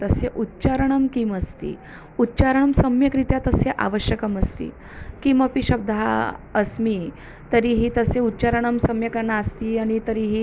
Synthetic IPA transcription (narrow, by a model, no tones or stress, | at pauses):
t̪əseʔutːt͡ɕaɾəɳəmkiːməst̪ḭː | utːt͡ɕaɾəɳ̃əmsəmjəkɾit̪jat̪əseʔa̰ʋəɕjəkəməst̪ḭː | kiməpiɕəb̚d̪ʱa̰əsmi | t̪əɾiːɦiːt̪əseutːt͡ɕaɾəɳ̃əmsəmjəkəɾɳaəst̪iːaɽ̃it̪əɾiɦiː